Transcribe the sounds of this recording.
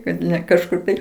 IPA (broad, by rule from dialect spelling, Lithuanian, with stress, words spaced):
kɐt nʲɛ kɐʃˈkʊr tɐɪ